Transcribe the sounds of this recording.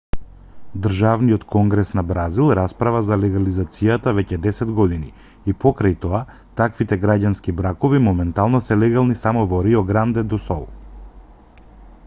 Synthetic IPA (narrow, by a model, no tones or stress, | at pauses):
d̪r̩ʒavnijɔt̪kʰɔŋɡɾɛsnabɾazilˠɾaspɾavazalɛɡalizat̪sijat̪avɛcɛd̪ɛsɛd̪ɡɔd̪ini | ipɔkɾajt̪ɔa | t̪akvit̪ɛɡɾaɟanskibɾakɔvimɔmɛnt̪alˠnɔsɛlɛɡalˠnisamɔvɔɾiɔɡɾand̪ɛd̪ɔsɔlˠ